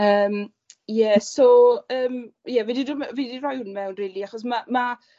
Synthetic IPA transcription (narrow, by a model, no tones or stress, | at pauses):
əːm | jɛsoəːmjɛvididumvidirajwnmɛwnriːlˠiaχɔs̬mama